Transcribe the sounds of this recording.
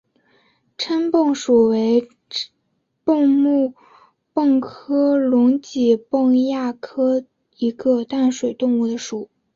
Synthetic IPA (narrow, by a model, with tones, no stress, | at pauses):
ʈ͡ʂʰə˥npɤ˥˩ŋʂu˨˩we˧˥ɪ | pʊ˥˧ŋmu˥˩ | pɤ˥˩ŋkʰɤ˥lʊ˧˥ŋt͡ɕi˨˩pɤ˥˧ŋja˥˩kʰɤ˥ | i˧˥ɡə˧t̪a˥˩nʂwe˨˩ɪt̪ʊ˥˧ŋu˥˩d̪ə˩ʂu˨˩˦